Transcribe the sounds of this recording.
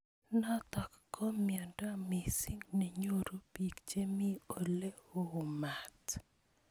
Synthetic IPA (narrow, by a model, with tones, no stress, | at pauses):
nɔ˦t̪ɔ˨kkːɔ˦mja˨nda˦mi˨si˦ŋne˨ɲo˦ɾo˦pi˨kt͡ʃe˦mi˦o˨le˦o˦˨ma˨t